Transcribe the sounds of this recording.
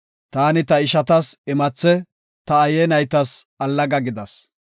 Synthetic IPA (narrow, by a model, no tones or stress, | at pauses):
t̪aːnɪt̪ɐɪʃɐt̪ɐsɪmɐt͡sːɛ | t̪ɐːjɛnɐjt̪ɐsɐlːɐɡɐɡɪd̪ɐs